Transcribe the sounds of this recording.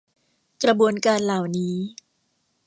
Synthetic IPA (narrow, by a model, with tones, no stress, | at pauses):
kɾa˧bu˧ənkaː˧nlaː˨˩wniː˦˥